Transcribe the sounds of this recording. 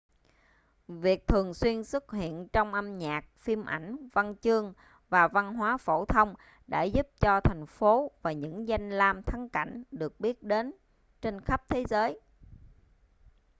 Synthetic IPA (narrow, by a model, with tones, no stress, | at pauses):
vi˨˩ək̚t̪ʰɨ˨˩əŋswi˧ənsɨ˦˥k̚hḭ˧˨ənt͡ɕɔ˧wŋ͡mʔa˧mɲaː˨˩k̚fi˧mʔa˧˩jŋ̟va˧nt͡ɕɨ˧əŋ | vaː˨˩va˧nɦwaː˨˦fo˧˩t̪ʰə˧wŋ͡m | ɗa̰ː˧˥zu˦˥p̚t͡ɕɔ˧t̪ʰa˨˩jŋ̟fo˨˦vaː˨˩ɲɨ̰˧˥ŋza˧jŋ̟laː˧mt̪ʰə˨˦ŋka̰˧˩jŋ̟ɗɨ˨˩ək̚ɓi˦˥ət̚ɗe˨˦n | t͡ɕe˧nxə˦˥p̚t̪ʰe˨˦zəː˨˦j